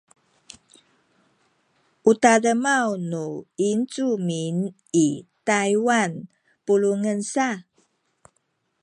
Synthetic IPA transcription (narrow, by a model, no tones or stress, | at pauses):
ʔutaləmawnuint͡sumin | itajwan | puluŋənsa